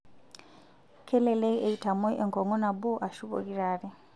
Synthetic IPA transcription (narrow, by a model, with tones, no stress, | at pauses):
kʰɛ˦lɛ˨lɛ˦i˦ʔe˨i˨tʰa˨mɔ˦ʔe˨ŋkʰɔ˨ŋɔ˦na˨bu˦ʔa˨ʃu˦βɔ̰˨ki˦ɾaːɾi˦